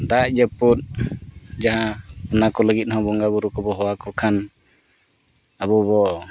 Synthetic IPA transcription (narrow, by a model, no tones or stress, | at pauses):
d̪aʔd͡ʒəput̪̚ | d͡ʒaɦãɔnakɔləɡit̪̚ˀɦɔ̃bɔŋɡabuɾukɔbɔɦɔwakɔkʰan | abɔβɔʔ